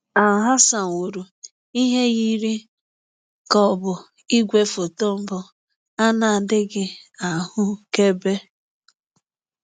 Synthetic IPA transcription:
a˨ɦa˦sa˨ŋ̩˨wo˨ɾu˨ | i˦ɦe˦ɣi˦ɾi˦ | kɔ˦˨bʊ˨ | i˦ɡʷe˦fo˨to˦m̩˦bʊ˨ | a˦na˨dɪ˦ɡɪ˦a˨hʊ˦ke˦be˦

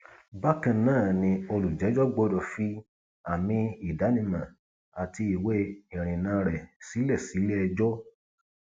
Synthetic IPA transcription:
ba˦kã˦˨nãː˦˨nĩ˧o˧lu˨d͡ʒɛ˨˦d͡ʒɔ˦ɡ͡bo˦dɔ˧˨fi˦ | a˨mĩ˧i˨da˨˦nĩ˦˧˨mã˨ | a˨ti˧i˨we˧˦ĩ˨ɾ̃ĩ˨nã˨˦ɾɛ˨si˨˦lɛ˦˨si˨˦le˦ɛ˧d͡ʒɔ˦

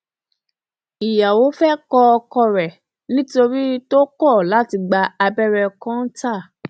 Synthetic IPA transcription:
i˨ja˨wo˨˦fɛ˦kɔ˧ɔ˧kɔ˧ɾɛ˨ | nĩ˦to˧ɾi˦to˦kɔ˦˨la˨˦ti˧ɡ͡ba˧a˧bɛ˦ɾɛ˧kɔ̃˦n̩˦ta˦˨

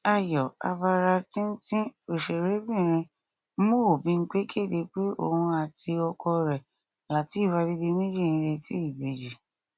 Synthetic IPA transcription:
a˦˨jɔ˨a̰˧ba˧ɾa˧tĩ˦n̩˦tĩ˦o˨ʃe˨ɾe˨˦bĩ˦˨ɾ̃ĩ˧˦ | mõ˦o˨bĩ˦ŋ̩˦k͡pe˦kʰe˦˨de˧k͡pe˦o̰˦˨hũ˧a˨ti˧ɔ˧kɔ˧ɾɛ˨ | la˨ti˨˦˨wa˧di˧de˧mĩ˦d͡ʒi˦˨ĩ˧ɾe˧ti˦i˦˨be˨d͡ʒi˨

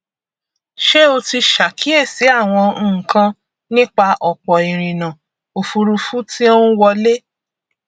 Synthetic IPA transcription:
ʃe˦o˧ti˧ʃa˨kʰi˨˦e˦˨si˨˦a˦˨w̃ɔ̃˧˦˨kã˧ | nĩ˦k͡pa˧ʔɔ˨k͡pɔ˨i˨ɾ̃ĩ˨nã˨ | o˨fu˧ɾu˧fu˦ti˦o˦ũ˦wɔ˧le˦

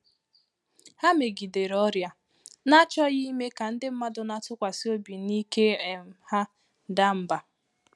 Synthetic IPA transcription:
ha˦me˨ɡi˨de˨ɾɔ˦ɾja˨ | na˦t͡ʃɔ˦ɣi˦me˦ka˨n̩˦dɪ˦m̩˦ma˦dʊ˨na˦tʊ˦kʷa˨si˦o˦bi˨ni˦ke˦e˨m˨ha˦˨ | da˦m̩˦ba˨

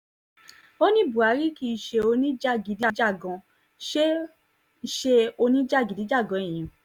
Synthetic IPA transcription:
o˦nĩ˦˨bu˨a˨˦ɾi˦ki˦˧ʃe˧o˧nĩ˦d͡ʒa˦˨ɡi˨˦di˦d͡ʒa˦˨ɡɔ̃˨˧ | ʃe˦ | i˧˦ʃe˧o˧nĩ˦d͡ʒa˦˨ɡi˨di˨˦d͡ʒa˦˨ɡɔ̃˨˦ĩ˨ĩ˨

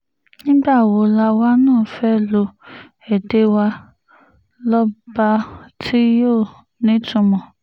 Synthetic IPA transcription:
ɲĩ˦ba˦˨wo˨la˨wa˦nɔ̃ː˦˨fɛ˦lo˨ | e˨de˦wa˦ | lɔ˦ba˦tʰi˦jo˦˨ | nɪ˦tʊ˨mɔ˨

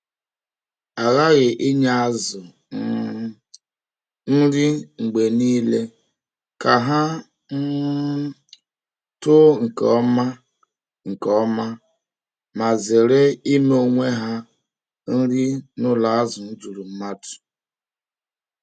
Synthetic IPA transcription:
a˨ɣa˦ɣɪ˨ʔi˦ɲa˦a˦zʊ˨˦ | n̩˦ɾi˦ŋ͡m̩˨ɡ͡be˨niː˦le˦ | ka˨ɦa˦ | n̩˦ | tʊ˦ŋ̩˨kɔ˦ma˦ | ŋ̩˨kɔ˨˦ma˦ | ma˨zɪ˨ɾɪ˦i˦me˦o˦˨ŋʷe˦ɦa˦ | n̩˦ɾi˦nʊ˦la˨a˦zʊ˨n̩˦tu˨ɾu˨m̩˦ma˦tʊ̥˨

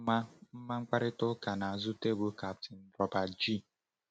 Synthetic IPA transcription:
ma˦m̩˦ma˦ŋ͡m̩˦k͡pa˦ɾɪ˦tʊ˦ka˨na˨a˨zʊ˦te˦bo˦ka˨p̚tɪ˨n̩˦bɔ˨ba˨d͡ʒi˦˨

